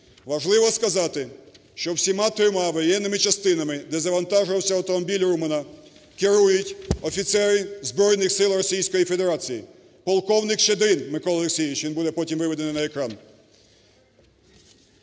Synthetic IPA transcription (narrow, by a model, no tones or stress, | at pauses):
ʋɐʒlˠɪʋɔskɐzɑt̪ɪ | ʃt͡ʃɔwsʲimɑt̪ɾɪmɑʋɔjɛnːɪmɪt͡ʃɐst̪ɪnɐmɪd̪ɛzɐʋɐnt̪ɑʒʊʋɐwsʲɐɐwt̪ɔmɔbʲilʲrumɪnɐ | kɪɾujʊtʲɔfʲit̪sɛɾɪzbɾɔjnɪxsɪlˠrɔsʲijsʲkɔjifed̪eɾɑt͡sʲiji | pɔlˠkɔwnɪkʃed̪ɪnmɪkɔlˠleksʲiʋʲit͡ʃʋinbud̪ɛpɔtʲimʋɪʋɪd̪enɪnɐekɾɑn